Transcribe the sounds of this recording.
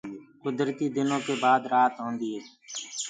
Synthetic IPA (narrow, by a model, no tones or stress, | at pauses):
kʊd̪ɾt̪iːd̪ɪnõːkeːbaːd̪ɾaːt̪ɦõːnd̪iːɦeː